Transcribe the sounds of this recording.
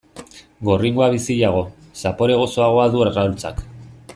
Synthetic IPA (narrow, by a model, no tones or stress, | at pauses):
ɡo̞riŋɡoaβ̞isiʎaɣ̞o̞ | sapo̞ɾe̞ɣ̞o̞so̞aɣo̞aðueɾɣalt͡sa̰k